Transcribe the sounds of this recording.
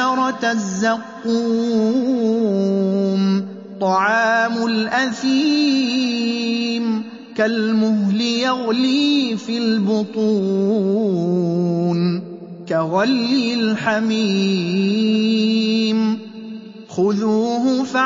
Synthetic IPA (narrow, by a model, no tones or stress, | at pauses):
ɑɾˤɑzːaqːuː | m | t̪ˤɑʕɑːmʊlʔaθi | m | kalmʊɦlɪjaɣliːfilbʊt̪ˤuː | n | kaɣɑlːɪlħamiː | m | xʊðuːhʊfa